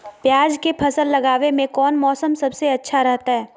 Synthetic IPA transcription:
pjaːd͡ʒkepʰɐsəlːɐɡaːʋemẽkɔːnmɔːsəmsɐbseɐtːʃʰaɾɛɦt̪aɦɛː

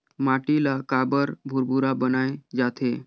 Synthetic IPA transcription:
maʈilakabəɾbʱuɾbʱuɾabənajd͡zat̪ʰe

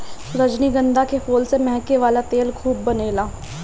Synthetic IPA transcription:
ɾəd͡ʒniːɡə̃nd̪aːkefoːlsemɛ̃ɦkeʋaːlaːt̪eːlkʰuːb̚ːəneːlaː

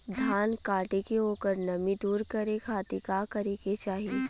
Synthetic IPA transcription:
d̪ʱaːnkaːʈekeoːkəɾnɐmid̪uːɾkɐɾekʰaːt̪ikakɐɾeːket͡ʃaːɦie

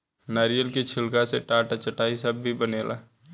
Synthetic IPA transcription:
naːɾijəlkit͡ʃʰɪlkaseʈaːʈat͡ʃəʈaːisəbːʱibəneːla̰ː

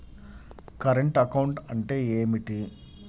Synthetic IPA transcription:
kɐɾɐɳʈɐkɐwɳʈɐɳʈeːeːmiʈi

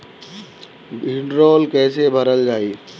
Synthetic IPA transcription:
ɪɳɖɾɔːlkɛːsebʱəɾəld͡ʒaːiː

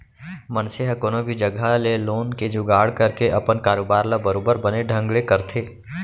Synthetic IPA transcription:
mənseɦəkoːnobʱid͡ʒəɡaleloːnked͡ʒʊɡaːɽkɐɾkeʔɐpənkaːɾoːbaːɾləbəɾoːbəɾbɐneɖʱə̃ŋɡɭekɐɾt̪ʰeː

